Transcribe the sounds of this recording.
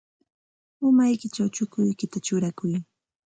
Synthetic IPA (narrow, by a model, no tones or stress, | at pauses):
ʊmajkɪt͡ʃawt͡ʃʊkʊjkɪt̪at͡ʃʊɾakʊj